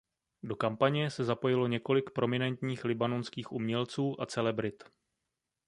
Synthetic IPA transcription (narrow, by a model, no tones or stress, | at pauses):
do̞kampaɲɛsɛzapo̞jɪlo̞ɲɛko̞lɪkpɾo̞mɪnɛnt̪ɲiːxlɪbano̞nskiːxʔṵmɲɛlt͡suːʔat͡sɛlɛbɾɪt̪